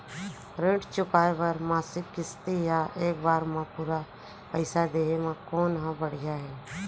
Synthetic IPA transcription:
ɾẽːʈt͡ʃʊkaːeʋəɾmaːsɪkːɪst̪ijaːʔeːk̚baːɾmãːpuːɾaː | pəɪsaːd̪eːemãːkoːnɦãbəɽɪjaːɦɛː

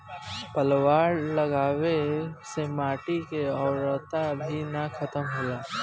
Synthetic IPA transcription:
pəlwaːɾləɡaːwesemaːʈikeɔːɾət̪abʱinakʰət̪əmɦolaː

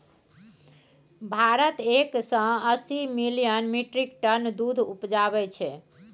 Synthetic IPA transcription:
bʱaɾət̪eksə̃əsimilijənmiʈɾik̚ʈənd̪ud̪ʱupd͡ʒabɛt͡ʃʰɛ

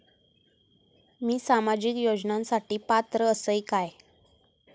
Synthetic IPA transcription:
miːsamad͡ʑiːkjod͡ʑnãnsaʈiːpat̪ɾəəsəjkaj

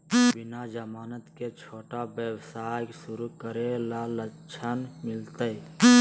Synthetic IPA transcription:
bɪnad͡ʒəmaːnət̪ket͡ʃʰoːʈabjəwsaːjksʊɾukəɾelalə | t͡ʃʰənmɪlt̪əj

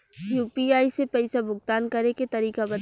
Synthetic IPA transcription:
juːpiaːisepɛɪsabʊɡ̚t̪aːnkɐɾeket̪ɐɾiːkabɐ

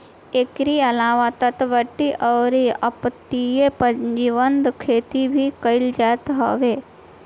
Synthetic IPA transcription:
ekɾiɐlaːʋat̪ɐt̪ʋəʈːiʔəɾiɐ̰pt̪ijepɐ̃ɲd͡ʒiʋənd̪kʰeːt̪ibʱikɐɪld͡ʒaːt̪ɦa̰ːʋeː

